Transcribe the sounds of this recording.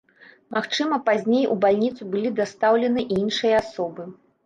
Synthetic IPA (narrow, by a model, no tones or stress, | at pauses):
maxt͡ʂɨmɐpazʲnʲejṵbalʲnʲit̪subɨlʲid̪ast̪awlʲɛnɨʔinʂɨjɐasɔbɨ